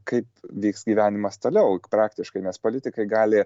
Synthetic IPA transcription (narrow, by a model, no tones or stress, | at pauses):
kɐɪpʋʲiːksɡʲiːʋʲæːnʲɪmɐst̪oːlʲɛʊpɾɑːkt̪ʲɪʃkɐɪnʲɛspoːlʲɪt̪ʲɪkɐɪɡɑːlʲɪ